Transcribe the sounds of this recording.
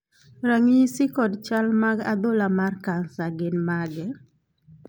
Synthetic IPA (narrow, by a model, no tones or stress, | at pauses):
ɾaŋisikɔdt͡ʃalmaɡa̰d̪olamarkansaɡɪnmaɡɛ